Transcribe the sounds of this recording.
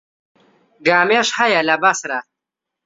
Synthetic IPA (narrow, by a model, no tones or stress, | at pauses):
ɡaːmeʃhɐjɐlɐbɐsɾa